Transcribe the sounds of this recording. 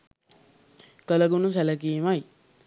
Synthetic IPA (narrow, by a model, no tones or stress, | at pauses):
kələɡunus̬ælək̬imaj